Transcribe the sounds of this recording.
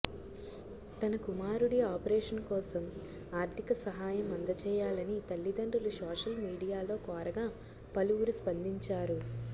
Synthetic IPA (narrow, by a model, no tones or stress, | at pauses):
t̪ɐnɐkumaːɾuɽiaːpɐɾɛːʂɐnkɔːsɐm | aːɾt̪ʰikɐsɐɦaːjɐmɐnd̪ɐt͡ʃɛːjaːlɐnit̪ɐlːid̪ɐɳɖulusɔːʂɐlmiːɽijaːlo̞ːkɔːɾɐɡaː | pɐluwuɾuspɐnd̪iɲt͡ʃaːɾu